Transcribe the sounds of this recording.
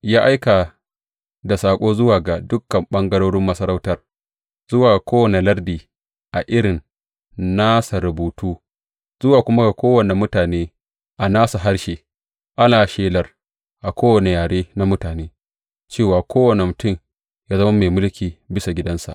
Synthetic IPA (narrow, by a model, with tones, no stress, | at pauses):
jaː˦ʔa˦jka˨ | da˨saː˨kʷʼoː˦zʊ˦waː˨ɡa˨dʊ˦kːɐ˨mɓɐ˦ŋɡɐ˦ɽoː˦ɽɪ˦mːɐ˦sɐ˦ɾa˦wtɐ˦r | z̥ʊ˦waː˨kʷoː˦wɐ˨ne˨lɐ˦rdiː˨ | ʔa˨ʔɪ˦ɽɪ˨n | naː˦sa˨ɾʊ˨buː˨tuː˦ | zʊ˦waː˨kʷʊ˦ma˦ɡa˨kʷoː˦wɐ˨ne˨mʊ˦taː˨neː˦ | ʔa˨naː˦su˨ɦa˦ɽʃeː˨ | ʔa˦naː˨ʃeː˦lɐ˨r | ʔa˨kʷoː˦wɐ˨ne˨jaː˨ɽeː˦na˦mʊ˦taː˨neː˦ | t͡ʃeː˦˨waː˨kʷʰoː˦wɐ˨ne˨mʊ˨tʊ˦˨m | jaː˦zɐ˦ma˦me˨mʊ˦lkʲiː˨bɪ˦sa˨ɡʲɪ˦dɐ˦nsa̰˨ʔ